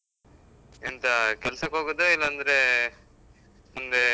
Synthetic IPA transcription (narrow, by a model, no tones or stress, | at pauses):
int̪ɐkɛlsɐkɦoːɡod̪oilːɐːnd̪ɐɾe | mund̪e